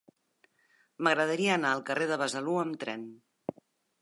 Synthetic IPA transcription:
məɣɾəð̞əɾiəːnaəlˠkərʔeðəβəzəluəmt̪ɾɛ̰n

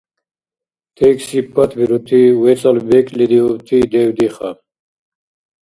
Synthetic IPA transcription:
t̪ʰɛksipːat̪ʰbiɾut̪ʰiwɛt͡sʼalbɛkʰʼlid̪iut̪ʰid̪ɛwd̪iχa

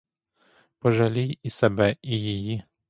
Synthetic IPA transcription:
pɔʒalʲijisɛbɛijiji

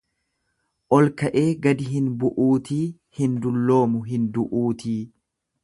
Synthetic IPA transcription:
ʔɔlkɐʔe̞ːɡɐd̪ɪɦɪnbʊʔuːt̪iː | hɪnd̪ʊlːo̞ːmʊɦɪnd̪ʊʔuːt̪iː

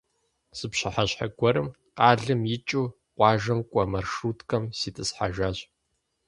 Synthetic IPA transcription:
sɨpɕɐħaɕħaɡʷɔɾɨm | qaːɮɨmjɪt͡ʃʼuː | qʷɑːʒɐmkʷʼɐmɐrʂuːtʰkʰʼɐmsiːtʰʼɨsħaʒaːɕʼ

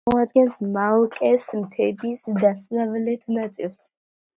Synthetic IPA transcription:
ɔad̪ɡɛnsmalˠkʼɛsmt̪ʰɛbisd̪asnavlɛt̪ʰnat̪sʼilˠs

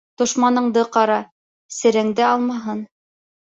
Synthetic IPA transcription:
t̪ŏʃmɑnɤ̆ɴd̪ɤqɑɾɑ | sɘ̆ɾɘ̆ŋd̪ɘɑlˠmɑɦɤn

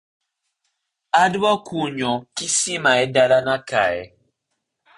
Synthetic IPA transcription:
adɔkuɲɔkisimaɛdaɾanaka̰ɛ̰

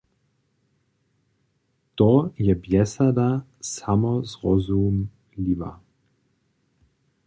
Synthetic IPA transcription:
t̪ojɛbjɛsad̪a | samɔzʁɔzum | lʲiva̰

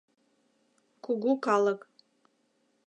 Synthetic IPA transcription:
kʷʰuɡʷukʰalakʼ

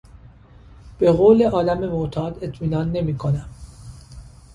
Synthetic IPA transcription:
b̥e̞ɣoːle̞ʔɒːlæme̞mot̪ʰɒːd̪e̞t̪ʰmiːnɒːnːe̞miːkʰo̞næm

